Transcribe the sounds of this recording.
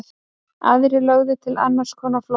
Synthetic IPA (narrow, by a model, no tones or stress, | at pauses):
θ | aðɾɪlœɣðɪt̪ʰɪla̰nːar̥skʰɔːnafl